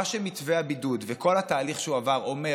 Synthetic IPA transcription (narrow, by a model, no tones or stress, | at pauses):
aʃemitveabidud̪veko̞lhataːliχʃeuavaʁo̞me